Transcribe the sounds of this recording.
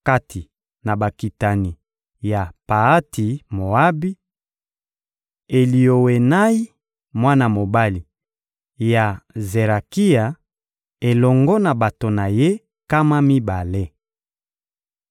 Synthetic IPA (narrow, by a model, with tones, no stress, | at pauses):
ka˦ti˨ | na˨ba˨ki˨ta˨ni˨ | ja˨pa˨a˦tʰi˨mo˨a˦bi˦ | e˨li˨o˨we˨na˦i˦ | mwa˦na˨mo˨ba˦li˨ | ja˨ze˨ʁa˨ki˦a˨ | e˨lɔ˨ŋɡɔ˦na˨ba˨to˨na˨je˦ | ka˦ma˦mi˦ba˨le˦